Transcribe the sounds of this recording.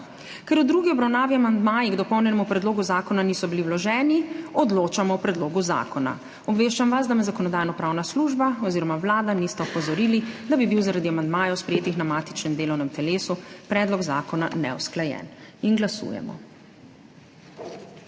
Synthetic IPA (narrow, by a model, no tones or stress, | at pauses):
kɛɾud̪ɾuːɡiɔbɾawnaːʋiamand̪maːjiɡd̪ɔpɔwnʲjɛnɛmupɾɛd̪loːɡuzaːkɔnaniːsɔbiliwlɔʒɛːniɔd̪loːt͡ʃamɔwpɾɛd̪loːɡuza̰ːkʰɔna̰ | ɔbʋeːʃt͡ʃamʋas̬d̪amɛzakɔnɔd̪aːjnɔpɾaːwnasluʒbaɔziːɾɔmawlaːd̪anist̪ɛɔpɔzɔɾiːlid̪abibiwzaɾad̪iamand̪maːjɔwspɾɛjeːt̪ixnamaːt̪i̥t͡ʃnɛmd̪eːlɔwnɛmt̪ɛleːsupɾɛd̪lɔɡza̰ːkɔna̰nɛ̰wsklajɛ̰ninɡlasṵːjɛ̰mɔ̰